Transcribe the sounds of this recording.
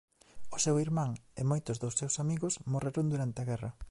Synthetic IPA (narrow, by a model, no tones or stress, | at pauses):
ʊsewiɾmãŋɪmojt̪ʊzðʊsːewsamiɣʊsmoreɾond̪uɾant̪eɪɐɣɛrɐ